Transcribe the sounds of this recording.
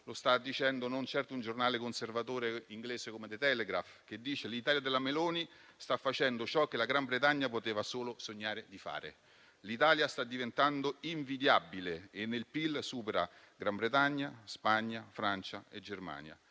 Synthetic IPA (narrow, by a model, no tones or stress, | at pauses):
lost̪ad̪ːit͡ʃɛnd̪onont͡ʃɛrt̪ound͡ʒornaːlekonservat̪oːɾeiŋɡleːzekomed̪et̪ɛleɡɾafk̟ed̪ːiːt͡ʃelit̪aːljad̪elːameloːni | st̪afːat͡ʃɛnd̪ot͡ʃɔk̟ːelaɡɾambɾet̪aɲːapot̪eːvasoːlosoɲːaːɾed̪ifa̰ːɾḛ | lit̪aːljast̪ad̪ːivent̪and̪oiɱvid̪jabːileenːelpilsuːpeɾa̰ | ɡɾambɾet̪aɲːaspaɲːafɾant͡ʃaed͡ʒerma̰ːnja̰